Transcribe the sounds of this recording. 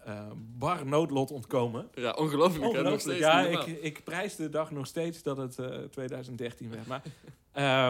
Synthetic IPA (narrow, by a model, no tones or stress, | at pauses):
əbɑrnowtlɔtɔntkowməjʔɔnəlowflɔnəlowfələjaɪkɪkprɛjzdədɑχnɔxsteːtsdɔtəttːʋejdœɥzəntdɛrtinʋɛrtma | ə